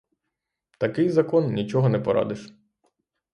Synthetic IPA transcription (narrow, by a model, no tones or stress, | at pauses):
t̪ɐkɪjzɐkɔnnʲit͡ʃɔɦɔnɛpɔɾɑ̰d̪ɪʃ